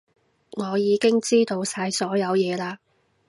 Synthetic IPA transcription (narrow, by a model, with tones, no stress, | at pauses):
ŋɔː˨˧jiː˨˧kɪ˥ŋt͡siː˥t̪o˧wsaː˧jsɔː˨˥jɐ˨˧wjɛː˨˧laː˧